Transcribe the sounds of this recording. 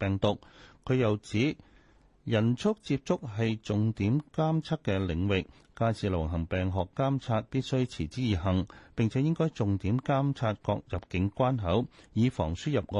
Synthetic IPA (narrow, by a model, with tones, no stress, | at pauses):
pɛː˨ŋt̪ʊ˨k̚kʰːɵ˨˧ɥjɐ˨wt͡siː˨˥ | jɐ˨˩nt͡sʰʊ˥k̚t͡siː˧p̚t͡sʊ˥k̚ɦɐ˨jt͡sʊ˨ŋt̪iː˨˥mkaː˥mt͡sʰɐ˥t̚kːɛ˧lɪ˨˧ŋwɪ˨kː | aː˧jsʰiː˨lɐ̰˨˩wɦɐ˨˩ŋpɛː˨˩ŋɦɔː˨kːaː˥mt͡sʰaː˧t̚piː˥t̚sɵ˥ɥt͡sʰiː˨˩t͡siː˥jiː˨ɦɐ˨˩ŋpɪ˨ŋt͡sʰɛ˨˦jɪ˥ŋkɔː˥jt͡sʊ˨ŋt̪iː˨˥mkaː˥mt͡sʰaː˧t̚kɔ̰ː˧k̚jɐ˨p̚kɪ˨˥ŋkʷaː˥nɦɐ˨˥wjiː˨˧fɔ̰ː˨˩ŋsyː˥jɐ˨p̚ŋɔː˧